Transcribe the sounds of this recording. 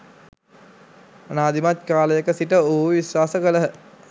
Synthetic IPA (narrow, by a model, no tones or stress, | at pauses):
anaːd̪imat̪̚kaːləjəkəsiʈəoɦuʋiswaːsəkələɦə